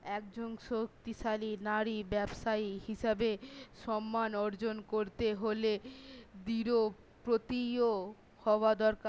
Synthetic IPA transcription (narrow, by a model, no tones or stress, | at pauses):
ɛk̚d͡ʑonʃok̚t̪iʃalinaɾibɛbʃaihiʃabeʃɔmːanɔɾd͡ʑonkoɾt̪eɦoled̪iɾo | pɾot̪io | hɔad̪ɔɾka